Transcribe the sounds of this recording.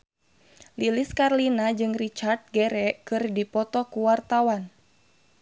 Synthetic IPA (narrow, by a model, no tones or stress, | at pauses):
liliskarlinad͡ʒɨŋrit͡ʃart̪̚ɡɛɾɛkɨrdipɔt̪ɔkuwart̪awan